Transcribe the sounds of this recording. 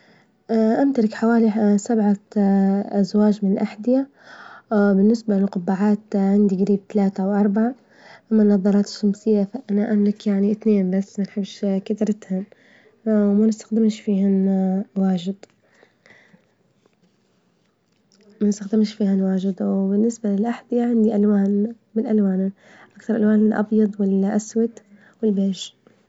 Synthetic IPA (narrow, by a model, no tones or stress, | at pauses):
ʔʔamt̪alɪkħawaːlisabʕa | ʔazwaːd͡ʒmɪnɪlʔaħd̪ɪja | bɪnːɪsbalɪlqʊbːaʕaːt̪ʕɪnd̪iɡɾiːb̚t̪alaːt̪awʔɑɾˤbaʕa | ʔamːanːɑðˤɑɾˤɑːt̪ɪ̥ʃːamsɪjːafaʔanaʔamlɪkjaʕnit̪neːnbasːmanħɪbːʃkat̪ɾˤɪt̪han | manɪst̪ḁxd̪ɪmʃfiːhanwaːʒɪd̪ | manɪst̪axd̪ɪmʃfiːhanwaːʒɪd̪wbɪnːɪsbalɪlʔaħd̪ijaʕand̪iʔalwaːn | mɪnʔalwaːn | ʔakt̪ɑɾˤʔalwaːnɪlʔɑ̰bjɑd̪ˤwɪlʔaswat̪ | wɪlbeːʒ